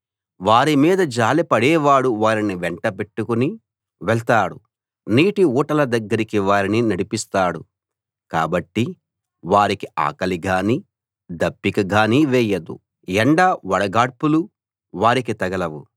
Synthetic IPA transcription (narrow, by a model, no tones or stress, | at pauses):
ʋaːɾimiːd̪ɐd͡ʒaːlipɐɽɛːʋaːɽuʋaːɾiniʋɛɳʈɐpe̞ʈːukuni | ʋɛɭt̪aːɽu | niːʈiuːʈɐlɐd̪ɐɡːɐɾikiʋaːɾininɐɽipist̪aːɽṵ | ka̰ːbɐʈːi | ʋaːɾikia̰ːkɐliɡaːniː | d̪ɐpːikɐɡaːniːʋɛːjɐd̪ṵ | ɛɳɖaːʋɐɽɐɡaːɽpulu | ʋaːɾikit̪ɐɡɐlɐʋu